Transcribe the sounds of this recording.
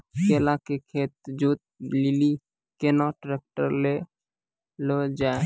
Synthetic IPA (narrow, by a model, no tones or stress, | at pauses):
kelakekʰeːt̪̚d͡ʒoːt̪̚lili | kenɔʈɾek̚ʈəɾle | lod͡ʒaːe